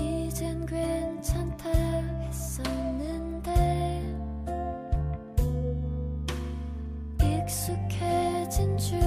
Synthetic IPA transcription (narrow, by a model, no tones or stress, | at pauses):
id͡ʑenɡent͡ɕʰaŋtʰais͈ʌnːɯnd̪e | ik̚sukʰet͡ɕʰind͡ʑu